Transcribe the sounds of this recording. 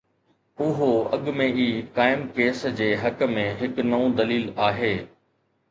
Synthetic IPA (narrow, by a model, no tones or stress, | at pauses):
ʊɦoɐ̰ɠmẽiːkaːɪmkeːsd͡ʑeːɦɐkmẽɦɪknɐũd̪ɐliːlaːɦeː